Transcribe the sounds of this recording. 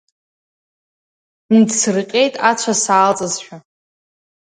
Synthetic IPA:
ndsɨrqʲʼe̞jtʼat͡ɕʷʰasaːlt͡sʼɨzħʷᶣa

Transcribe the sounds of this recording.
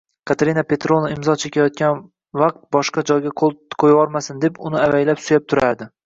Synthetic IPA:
kʰat̪ʰaɾinapʰe̞t̪ɾonaɪmzɒt͡ʃʰekʲʰajɒt̪̚kʲan | vaq̚t̪̚bɒʃqɑd͡ʒɒjɡʲaoqʰojɒɾmasɪnd̪e̞pʊnɪavajlapsʊjap̚t̪ʰʊɾaɾd̪ɪ

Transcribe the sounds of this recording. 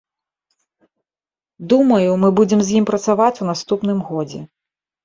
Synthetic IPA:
d̪umɐjumɨbud͡zʲɛmzʲjimpɾɐt̪savat͡sʲunast̪upn̪ɨmɣɔd͡zʲɛ̰

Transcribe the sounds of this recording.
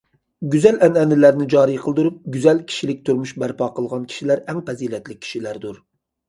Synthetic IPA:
ɡʲyzælɛnɛnːɪlæɾnɪd͡ʒɑːɾijqʰəlˠd̪uɾup̚ɡʲyzɛlkʲʰi̥ʃilɪk̚ʲt̪ʰuɾmuʃbæɾpʰɑːqəlˠʁɑnkʲʰi̥ʃilæɾɛŋpɛzilɛt̪lɪk̚ʲʰːi̥ʃilæɾd̪uɾ

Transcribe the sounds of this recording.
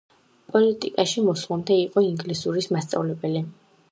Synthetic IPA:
pʼɔlit̪ʼḭkʼaʃimɔslamd̪ɛiqʼɔiŋɡlisuɾismast̪sʼa̰vlɛbɛli

